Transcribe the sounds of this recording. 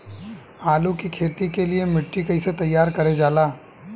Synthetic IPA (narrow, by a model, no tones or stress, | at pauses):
aːlũkikʰeːt̪ikeliemɪʈːikɐiset̪ɐjːaːɾkɐɾed͡ʒaːlaː